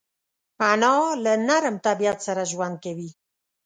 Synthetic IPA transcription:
anɑlənaɾəmt̪abijat̪saɾaʒuwan̚keβi

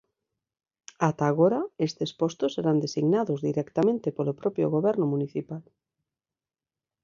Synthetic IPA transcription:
at̪aːɣoɾaest̪espost̪osːeɾand̪esiɣnaðozðiɾɛkt̪amẽnt̪epolopɾopjoɣoβ̞ɛɾnomuniθipal

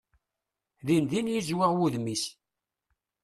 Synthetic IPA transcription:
ðinðinjizwɪʁwuðmis

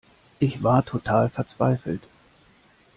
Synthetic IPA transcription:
ʔɪçv̥aːɐtʰotʰaːlfɛɐt͡sv̥a̰ɪfl̩t

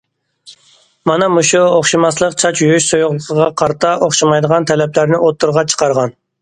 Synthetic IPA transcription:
mɑnɑmuʃuoχʃimɑslˠəqt͡ʃʰɑt͡ʃjyjyʃsojʊʁlˠəqʰəʁɑqʰɑɾt̪ʰɑʔoχʃɑmɑjd̪əʁɑnt̪ʰɛlɛplæɾnɪʔot̪ʰːuɾʁɑt͡ʃʰə̥qɑɾʁɑn

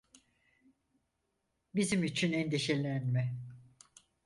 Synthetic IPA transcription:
bizimyt͡ʃʰynɛnd̪eʃelʲænmɛ

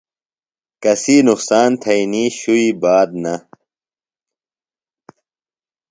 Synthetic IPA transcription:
kɐsiːnuqsaːnt̪ʰɐiniɕuibaːd̪̚nɐ

